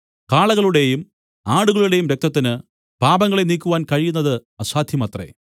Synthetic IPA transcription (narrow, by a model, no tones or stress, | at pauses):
kaːɭɐɣɐɭuɽe̞jum | aːɽuɣɐɭuɽe̞jumɾek̚t̪ɐt̪ːinɨ | paːbɐŋːɐɭe̞niːkʲːuʋaːnkɐɻijunːɐðɨɐsaːd̪ʱjɐmɐt̪re̞̰